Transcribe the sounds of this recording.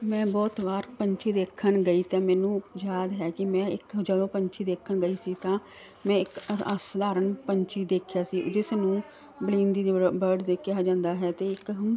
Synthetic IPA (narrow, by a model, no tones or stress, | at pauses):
mɛ̃ːbɔːt̪ʋaːɾpəɲt͡ʃʰiːd̪eːkʰːənɡəiːt̪ãːmɛːnũːd͡ʒaːd̪ɦɛːkɪmɛ̃ːɪkd͡ʒəd̪õːpəɲt͡ʃʰiːd̪eːkʰənɡəiːsiːt̪ãː | mɛ̃ːɪkəsd̪aːɾənpəɲt͡ʃʰiːd̪eːkʰjaːsiːd͡ʒɪsnũː | blĩːnd̪iːd̪bəɾɖd̪eːkɪaːd͡ʒãːnd̪aːɦɛːt̪eːɪk